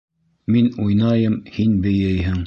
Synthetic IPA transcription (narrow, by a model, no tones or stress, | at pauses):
minujnɑjɤmhinbɘ̆jɘjɦɘŋ